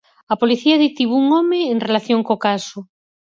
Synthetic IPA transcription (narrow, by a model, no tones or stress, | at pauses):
ɐpoliθiaðit̪iβuuŋɔmeːŋrelaθjoŋkokaso